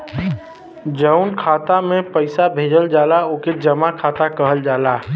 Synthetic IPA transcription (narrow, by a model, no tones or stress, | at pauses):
d͡ʒəʊnkʰaːt̪amẽpəɪsabʱeːd͡ʒəld͡ʒaːlaoːked͡ʒəmakʰaːt̪akəɦəld͡ʒaːlaː